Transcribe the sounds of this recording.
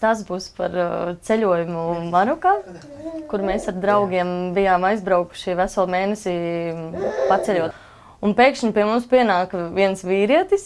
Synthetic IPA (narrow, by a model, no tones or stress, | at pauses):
t̪asbuːspaɾt̪sɛʎʲuɔjumumaɾukaː | kuɾmeːsaɾd̪ɾawɡʲiɛmbijaːmajzbɾawku̥ʃiʋæsalˠmeːnɛsiː | pat̪sɛlʲuɔt̪ | unpɛːkʃiɲpiɛmumspiɛnaːkʋiɛnsʋiːɾiɛt̪is